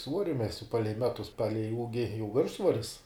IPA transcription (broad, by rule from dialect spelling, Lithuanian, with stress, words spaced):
ˈsʋuɔrʲɪ ˈmʲæːsʲʊ ˈpɑːlʲɛɪ ˈmʲæːtʊs ˈpɑːlʲɛɪ ˈuːɡʲɪ jɛʊ ˈʋʲɪrʃsʋoːrʲɪs